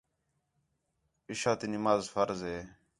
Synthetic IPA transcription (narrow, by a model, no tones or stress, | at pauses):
ɪʃaːt̪iːnɪmaːzfəɾzɦeː